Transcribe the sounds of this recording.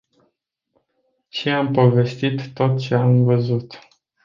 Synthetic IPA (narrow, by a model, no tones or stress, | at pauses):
t͡ʃeampo̞ve̞st̪it̪ːo̞t̪̚t͡ʃe̞amvəzut̪